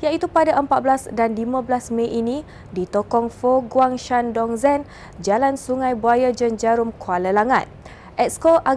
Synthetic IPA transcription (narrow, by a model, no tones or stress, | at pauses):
jait̪upadaʔəmpat̪̚blasdanlimãblasmẽʔinĩ | dit̪okɔŋfoɡwaŋʃandɔŋzɛn | d͡ʒalansuŋãjbuajad͡ʒənd͡ʒaɾʊmkualəlaŋa̰t̪̚ | ʔɛt̚skoʔa